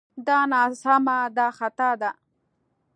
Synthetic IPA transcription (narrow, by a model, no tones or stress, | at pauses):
d̪ɑnɑsamad̪ɑxat̪ad̪a